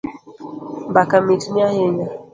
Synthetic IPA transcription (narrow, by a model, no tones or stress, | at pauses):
mbakamitniaheɲa